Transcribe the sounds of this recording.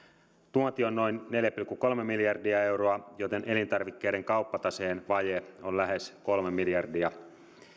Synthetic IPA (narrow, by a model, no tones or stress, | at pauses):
t̪uont̪ionno̞jnːe̞ljæpilkːuko̞lmemiljɑrdiɑe̞wroɑjo̞t̪e̞nʔe̞lint̪ɑrʋikːe̞jɾe̞ŋkɑupːɑt̪ɑseːnʋɑjeollæɦe̞sko̞lmemiljɑrdiɑ